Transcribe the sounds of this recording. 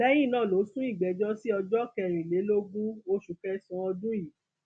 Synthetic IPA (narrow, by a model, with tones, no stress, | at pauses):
lɛ˦j̃ĩ˦˨nãː˦˨lo˨˦sũ˦i˦˨ɡ͡bɛ˨d͡ʒɔ˦si˦ɔ˧d͡ʒɔ˦kɛ˧˨ɾ̃ĩ˨le˨˦lo˦ɡũ˦o˧ʃu˨kɛ˧sɔ̃˨˧˦ɔ˧dũ˦ji˨